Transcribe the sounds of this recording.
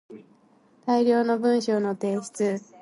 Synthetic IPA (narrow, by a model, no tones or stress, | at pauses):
t̪aiɾʲjo̞ːno̞bɯ̟̃ɰ̃ɕo̞ːno̞t̪e̞ːɕi̥t͡sɨ